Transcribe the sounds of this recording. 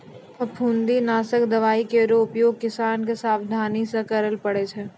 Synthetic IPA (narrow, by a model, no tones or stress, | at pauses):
pʰɐpʰũːnd̪inaːsəkd̪ɐʋaːikeɾoːpjoːɡkːɪsaːnkesaːʋd̪ʱaːnisekɐɾəlpəɽet͡ʃʰeː